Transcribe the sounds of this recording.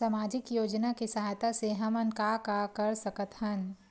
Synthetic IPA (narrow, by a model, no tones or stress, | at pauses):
amaːd͡ʒɪkjoːd͡ʒnakisaɦat̪aseɦɐmənkakakɐɾsɐkət̪ɦən